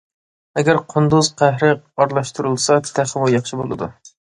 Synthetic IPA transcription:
ɛɡʲæɾqʰʊnd̪uzqʰæɦɾɪ | ɑɾlˠɑʃt̪uɾɨlˠsɑt̪ʰt̪ʰæχmujɑχʃibolˠɨ̰d̪ṵ

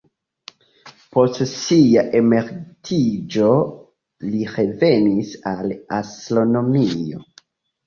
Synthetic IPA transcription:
po̞stsiaʔe̞me̞ɾtʰid͡ʒo̞ | liɾe̞ve̞nisalastɾo̞no̞mio̞̰

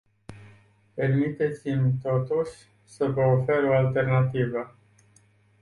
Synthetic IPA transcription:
pe̞rmit̪e̞t̪simt̪o̞t̪uʃʲ | səvəofe̞ɾo̞alt̪e̞rnat̪ivə

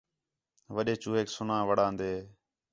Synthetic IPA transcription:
ʋəɗeːt͡ʃuːɦeːksʊnãːʋəɽãːnd̪eː

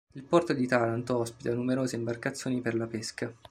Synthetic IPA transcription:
ilpɔrt̪od̪it̪alant̪oɔspit̪anːumeɾoːzeimbarkat̪sːjoːniperlapeska

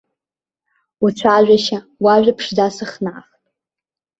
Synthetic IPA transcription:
ut͡ɕʷʰaʒʷᶣaʃa | waʒʷᶣapʰʂdasɨχnaːχtʼ

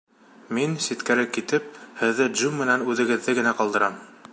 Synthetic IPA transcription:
minsit̪kæɾɘkit̪ɘp̚hɘ̆ðːɘd̪ʒumːɘ̆nænʉðɘ̆ɡɘ̆ðːɘɡɘ̆næqɑlˠd̪ɤ̆ɾɑm

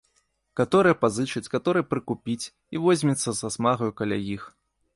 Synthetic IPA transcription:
kat̪ɔɾɨjɐpazɨt͡ʂɐt͡sʲkat̪ɔɾɨjɛpɾɨkupʲit͡sʲ | ivɔzʲmʲit̪sːɐzasmaɣɐjukalʲa̰jix

